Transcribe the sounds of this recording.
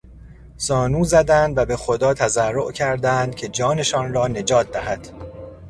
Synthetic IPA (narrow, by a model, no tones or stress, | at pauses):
z̥ɒːnuːzæd̪ænd̪væbe̞xo̞d̪ɒːt̪ʰæzærːoʔcʰæɾd̪ænd̪̥̚cʰe̞d͡ʒɒːne̞ʃɒːnrɒːne̞d͡ʒɒːt̪̚ʰd̪æɦæd̪̥